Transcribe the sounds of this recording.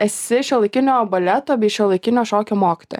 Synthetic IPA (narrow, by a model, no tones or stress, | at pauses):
ɛsʲɪʃʲɛlˠɐɪkʲɪnʲoːbɐlʲɛt̪oːbʲiːʃʲɛlˠɐɪkʲɪnʲoːʃoːkʲoːmoːkʲɪ̥t̪o̰ːj